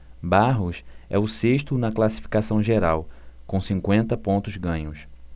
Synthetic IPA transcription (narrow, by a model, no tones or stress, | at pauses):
baɦʊsɛ̰ʊseʃt̪ʊnɐklasi̥fi̥kasɐ̃w̃ʒeɾawkõw̃sĩŋkwẽnt̪ɐpõnt̪ʊzɡɐ̃ɲʊs